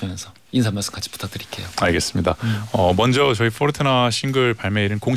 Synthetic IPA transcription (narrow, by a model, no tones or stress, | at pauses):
mensʰʌ | insʰamaɭs͈ɯ̥mk͈at͡ɕʰi̥pu̥tʰak̚tɯɾik͈e̞joaɭɡe̞s͈ɯmɲidaʌmʌnd͡ʑʌt͡ɕʌipʰʌɾtʰɯnaɕʰinɡɯɭpaɭmeiɾɯnkoŋ